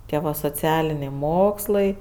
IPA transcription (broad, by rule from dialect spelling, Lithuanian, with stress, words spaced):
ˈtʲiɛ ʋɐ soːˈt͡sʲæːlʲɪnʲɛɪ ˈmoːkslˠɐɪ